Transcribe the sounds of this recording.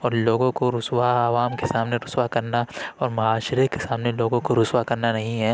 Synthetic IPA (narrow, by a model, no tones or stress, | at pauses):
ɔːɾloːɡõkoɾʊswaːʋaːmkesaːmneɾʊswakɐɾnaɔːɾmɐɦaːʃɾekesaːmneloːɡõkoɾʊswakɐɾnanɐɦĩɦɛː